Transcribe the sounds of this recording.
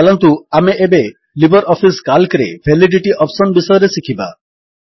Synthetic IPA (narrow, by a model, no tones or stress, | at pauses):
alɔnt̪uameʔebe | libɔɾɔpʰiskalkɾḛbʰʱeliɖiʈiʔɔpsɔnbisɔjɔɾesikʰiba